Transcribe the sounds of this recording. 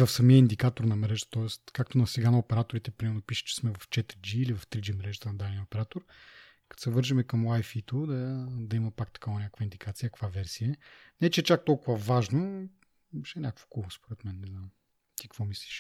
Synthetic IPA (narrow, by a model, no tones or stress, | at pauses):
vɐfsɐmiəind̪ikat̪oɾnɐmɾɛʒət̪ə̥t̪ɔɛst̪kak̚t̪onɐsɛɡanɐopɛɾat̪oɾit̪ɛpɾimɛɾnopiʃə̥t͡ʃɛ̥smɛvɐft͡ʃɛt̪ɾid͡ʒiːlivɐft̪ɾid͡ʒimɾɛʒət̪ənɐd̪ad̪nijəopɛɾat̪oɾ | kɐ̥t̪o̥sɛvɤɾʒimɛkɐmlˠajfit̪od̪ɐd̪ɐimɐpakt̪ɐ̥kavɐnʲakəkvəind̪ikat̪sijəkəkvavɛɾsiənɛt͡ʃɛɛt͡ʃak̚t̪ɔlˠkʊvɐvaʒno | bɛʃɛnʲakəkvo̥kulˠspoɾɛt̪mɛnnɛzam | t̪ikkvɔmisliʃ